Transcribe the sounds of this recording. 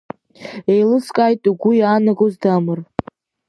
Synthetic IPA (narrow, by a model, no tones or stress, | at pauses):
ejlɨskʼajtʼuɡʷujaːnaɡozdamɨr